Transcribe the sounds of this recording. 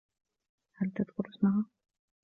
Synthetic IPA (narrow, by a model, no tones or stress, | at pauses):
halt̪ad̪kʊɾsmaɦa